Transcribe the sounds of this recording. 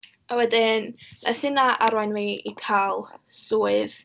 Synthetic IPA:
awɛdɪnna̰θɪnaʔaɾwajnviikʰalˠsuːɨð

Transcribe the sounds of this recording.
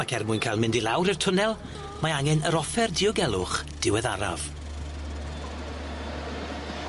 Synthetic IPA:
akʰɛrmuːjnkʰajlmɪndilˠawɾɪrtʰʊnɛlˠ | maaŋɛnəɾɔfɛrdɪɔɡɛlˠʊχd̥ɪwɛðaɾa̰v̥

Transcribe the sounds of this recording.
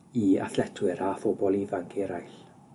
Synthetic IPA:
ia̰θlɛtʰwɪɾafɔbɔlˠivankʰeɾajɬ

